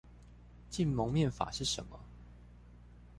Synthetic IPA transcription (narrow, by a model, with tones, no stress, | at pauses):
t͡ɕi˥˨nmo˧˦ŋmjɛ˥˨nfa̰˨˩ʂɻ̩˥˩ʂə̰˧˦nmə˦